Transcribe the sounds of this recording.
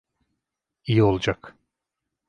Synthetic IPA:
ijio̞lˠd͡ʒak

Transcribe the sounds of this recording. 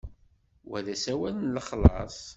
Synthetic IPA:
wæðæsæwælnləχlɑ̰sˤ

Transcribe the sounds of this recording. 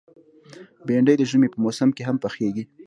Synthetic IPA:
beɳɖəjd̪əʒəmepəmosamkeɦampəxeɡi

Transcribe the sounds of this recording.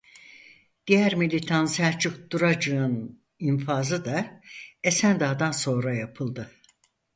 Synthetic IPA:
d̪̥ijæɾmilʲit̪ʰansæɾt͡ʃʰukd̪uɾad͡ʒɯɯn | infaːzɯd̪aesænd̪aːd̪anso̞nɾajapʰɯlˠd̪ɯ

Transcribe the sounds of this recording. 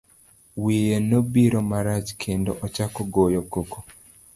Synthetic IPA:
wijenobiɾomaɾat͡ʃkʰendoʔɔt͡ʃakoɡojɔkoko

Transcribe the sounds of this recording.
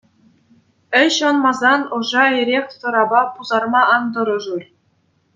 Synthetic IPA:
ɘ̆ɕŏnmɑzɑnŏʐɑeɾʲeχʲsɤ̆ɾɑbɑpuzɑrmɑʔɑnd̪ɤ̆ɾɤ̆ʐurʲ

